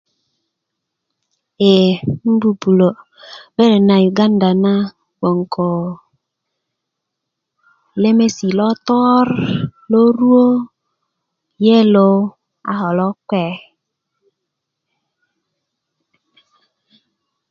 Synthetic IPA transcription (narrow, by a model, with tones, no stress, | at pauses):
e˨m̩˦bu˨bu˨lo˨ | be˦ɾe˨na˨ju˨ɡa˦n˦da˨na˦ | wo˨ŋ˨kʰo˨ | le˦me˦si˨lɔ˦t̪ɔ˦ɾlo˦ɾu˦o˦ | je˦lo˧ | a̰˦ɦɔ˨lɔ˦kɛ˦˨